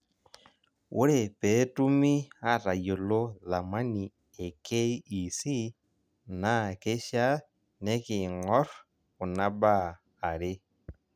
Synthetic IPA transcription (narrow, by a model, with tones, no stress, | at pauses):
wʔṵ˦ɾe˨pe˨˦tu˦mi˦a˦ɾa˨jo˨lo˦ða˨ma˦ni˨ | e˨ke˦iː˦˨si˦ | na˦ke˦ʃa˦ | ne˦ki˨ŋɔ˦ɾ | u˨na˦baː˦˨ | ɾe˦